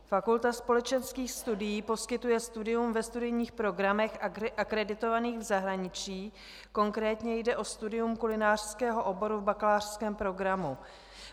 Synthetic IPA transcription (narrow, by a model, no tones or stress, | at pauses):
fakult̪aspo̞lɛt͡ʃɛnskiːxst̪udɪjiːpo̞skɪt̪ujɛst̪udɪjumvɛst̪udɪjɲiːxpɾo̞ɡɾamɛxʔaʔakɾɛdɪt̪o̞vaniːɣvzaɦɾaɲɪt͡ʃiː | ko̞ŋkɾɛːt̪ɲɛjdɛʔo̞st̪udɪjumkulɪnaːr̝̥skɛːɦo̞ʔo̞bo̞ɾuvbaklaːr̥skɛːmpɾo̞ɡɾamu